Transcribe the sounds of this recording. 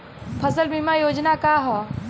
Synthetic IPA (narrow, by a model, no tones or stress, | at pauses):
pʰəsəlbʱimajoːd͡ʒnakaɦɔ